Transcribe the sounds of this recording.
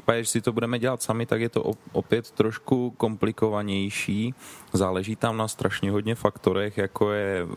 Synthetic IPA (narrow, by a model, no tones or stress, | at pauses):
ipaɟɛʒɛsɪt̪obudɛmɛɟɛlat̪samɪt̪akjɛt̪o̰ʔoʔopjɛt̪ːɾoʃkuko̞mplɪko̞vaɲɛjʃiːzaːlɛʒiːt̪amnast̪ɾʔaʃɲɛɦodɲɛfakt̪o̞ɾɛxjako̞jɛ